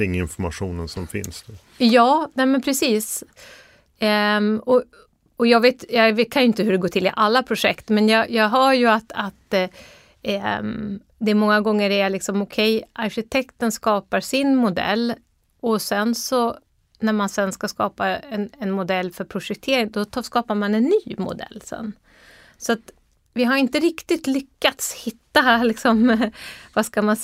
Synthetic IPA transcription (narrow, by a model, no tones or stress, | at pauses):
ɪŋːɪnfɔɾmaɧuːnənsɔmfɪ̰nsnʉ | jɑːnɛːmənpʰɾɛsiːs | ɔ | ɔjɑːɡveːt̪jɑvkʰanjʏɪnt̪əɦɵɖɛɡoːʈʰɪlɪʔalːapʰɾʊʂɛkt̪mɛnjɑjɑːɡɦɑɾjɵat̪at̪ | d̪ɛæɾmɔŋːaɡɔŋːəɖɛæɭɪksɔmɔkʰɛjʔaɾʂɪt̪ʰɛkt̪ənskɑːpaɾsɪnmʊd̪ɛ̰lː | ɔsɛnsɔ | næɾmansɛnskaskɑːpaɛnɛnmʊd̪ɛlːfœɾpʰɾʊʂɛk̚t̪ʰeːɾɪŋd̪ɔskɑːpaɾmanɛnːyːmʊ̰d̪ɛ̰lːsɛ̰nː | sɔat̪ | vɪɦaɾɪnt̪əɾɪkt̪ɪt̪lʏkːat̪shɪt̪ːalɪksɔm | vaskaman